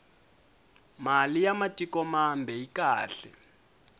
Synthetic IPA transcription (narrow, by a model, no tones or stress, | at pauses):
malijamatʼikɔmambʱɛikaːɬɛ